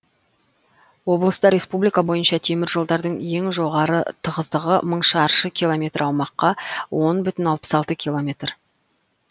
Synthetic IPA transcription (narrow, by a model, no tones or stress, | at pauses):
wo̞blˠəst̪əɾʲe̞spublijkabo̞jənʃɑt̪ʰe̞mɪɾʒo̞lˠd̪ɑɾd̪əɴje̞ŋʒo̞ʁɑɾət̪ʰəʁəzd̪əʁəməɴʃɑɑɾʃəkʲilˠomʲe̞t̪ɾɑwmɑqːɑwo̞nbʏt̪ɪnɑlˠpə̥sɑlˠt̪əkʲʰilˠomʲe̞t̪r